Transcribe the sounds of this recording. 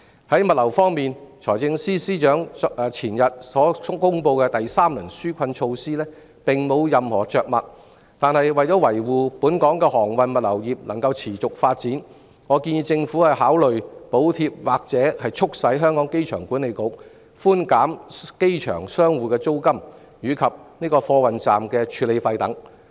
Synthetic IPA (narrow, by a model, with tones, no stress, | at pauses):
hɐ˨˥jmɐ˨t̚lɐ˨˩wfɔː˥ŋmiː˨nt͡ʃʰɔ̰ː˨˩jt͡sɪ˧ŋsiː˥siː˥t͡ʃœː˨˥ŋː˨˧t͡sʰiː˨˩njɐ˨t̚sɔː˨˥kʊ˥ŋpo˧wkɛː˧t̪ɐ˨jsaː˥mlɐ˨˩nsyː˥kʷʰɐ˧nt͡ʃʰo˧wsiː˥lɛː˥ | pɪ˨ŋmo˨˧wjɐ˨mhɔ̰ː˨˩t͡ʃœː˨k̚mɐ˨t̚ | t̪aː˨˧nhɐ˨jwɐ˨jt͡sɔː˨˥wɐ˨˩jwuː˨puː˨˥nkɔː˨˥ŋkɛː˧hɔː˨˩ŋwɐ˨nmɐ˨t̚lɐ̰˨˩wjiː˨p̚lɐ˨˩ŋkɐ˧wt͡sʰiː˨˩t͡sʊ˨k̚faː˧t̚t͡siː˨˥n | ŋɔː˨˧˥kiː˧njiː˧t͡sɪ˧ŋfuː˨˥hɐ˨jɦaː˨˥wlɵ˨ɥpo˨˥wt̪ʰiː˧p̚waː˨˩k̚t͡sɛː˨˥hɐ˨jt͡ʃʰʊ˥k̚sɐ˨˥jɦœː˥ŋkɔː˨˥ŋke˥jt͡ʃʰœ̰ː˨˩ŋkuː˨˥nle˨˧jko˨˥ | fuː˥nkaː˨˥mke˥jt͡ʃʰœ̰ː˨˩ŋsœː˥ŋwuː˨˧kɛː˧t͡so˥wkɐ˥m | jyː˨˧kʰɐ˨p̚niː˥kɔː˧fɔː˧wɐ˨nt͡saː˨mkɛː˧t͡ʃʰyː˨˧le˨˧jfɐ˧jt̪ɐ˨˥ŋ